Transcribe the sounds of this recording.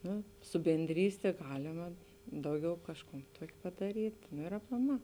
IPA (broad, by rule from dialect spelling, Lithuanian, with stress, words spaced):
ˈnʊ sʊ bʲɛnʲˈdʲrʲiːsʲtʲeː ˈɡɑːlʲɪmɐ ˈdɐʊˌɡʲɛʊ ˈkɑːʃˌkuːn ˈtuɔkʲ pɐdɐˈrʲiːtʲ noː ɪr ɐplˠɐˈmɑː